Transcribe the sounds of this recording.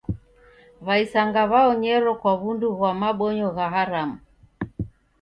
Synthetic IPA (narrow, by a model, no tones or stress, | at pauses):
βaisaŋɡaβaɔɲɛɾɔkwaβunduɣwamaɓɔɲɔɣaɦaɾamu